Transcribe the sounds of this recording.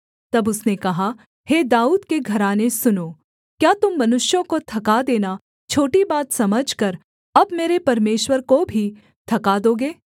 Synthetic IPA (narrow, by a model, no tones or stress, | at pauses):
t̪ɐbʊsnekɐɦa | heːd̪aːuːd̪keɡʱɐɾaːnesʊnoː | kjaːt̪ʊmːɐnʊʃjõkot̪ʰɐkad̪eːna | t͡ʃʰoːʈibaːt̪sɐməd͡ʒʱkɐɾ | ɐbmeːɾepɐɾmeːʃwəɾkobʱi | t̪ʰɐkad̪oːɡeː